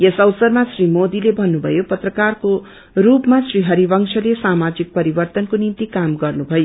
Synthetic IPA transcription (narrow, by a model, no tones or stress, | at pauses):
jesʌwsʌrmasrimod̪ilebʱʌnːubʱʌ̰jopʌt̪rʌkarko | rupmasriɦʌɾibʌŋsʰʌlesamad͡zik̚pʌɾibʌrt̪ʌnkonint̪ikamɡʌrnubʱʌjo